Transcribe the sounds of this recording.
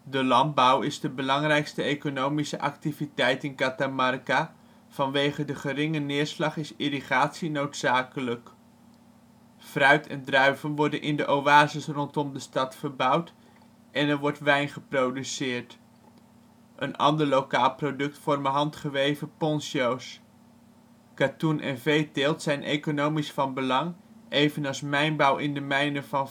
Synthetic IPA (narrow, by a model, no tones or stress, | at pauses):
dəlɑnd̚bʌwɪzdəbəlɑŋrɛjkstəejkonowmisəʔɑ̰ktivitɛjtɪnkatamɑrka | v̥ɑnʋejχədəχərɪŋənɪːɹslɑχɪsiriχaːtsinowtsaːkələk | frœɥtʰɛ̰ndrœɥvənʋɔɹdənʔɪndəʔowaːzɪsrɔntɔmdəstɑtfəɹbʌwt | ʔɛnɛɹʋɔɹtʋɛjnχəprowdysɪːɹt | ʔənɑ̰ndəɹlowkaːlˠprowdɵk̚tfɔɹməɦɑntχəʋejvəpɔnsows | katunʔɛ̰nvejtɪlˠtsɛjnʔejkonowmisfɑnbəlɑŋʔejvənɑlˠsmɛjnbɑwʔɪndəmɛjnəvɑn